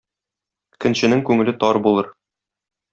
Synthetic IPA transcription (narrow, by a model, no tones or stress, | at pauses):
kɘ̆nɕɘ̆nɘŋkʉŋɘ̆lɘt̪ɒɾbulˠɤɾ